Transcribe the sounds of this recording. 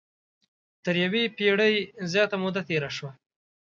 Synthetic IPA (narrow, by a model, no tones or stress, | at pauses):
t̪əɾjawepeɽəjzjɑːt̪amʊd̪at̪eːɾaʃwa